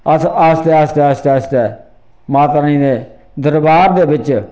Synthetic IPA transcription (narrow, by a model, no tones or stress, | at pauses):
əsəst̪eːast̪ɛːəst̪eːəst̪eː | maːt̪aːĩːd̪eː | d̪əɾbaːɾd̪eːbɪt͡ʃ